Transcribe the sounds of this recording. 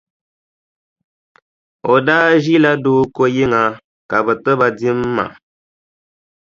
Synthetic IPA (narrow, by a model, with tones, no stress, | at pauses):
o˨daː˦ʒi˦la˦doː˦ko˦je˦ŋa˨ | ka˨bɛ˨tɨ˦ba˨di˦mː˦a̰˨ʔ